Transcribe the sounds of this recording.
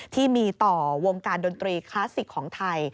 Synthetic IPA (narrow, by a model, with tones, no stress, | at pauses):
t̪ʰiː˥˩miː˧t̪ɔː˨˩wo˧ŋkaː˧ndo˧nt̪ɾiː˧kʰlaː˦˥si˨˩kʰːɔː˩˦ŋt̪ʰa˧j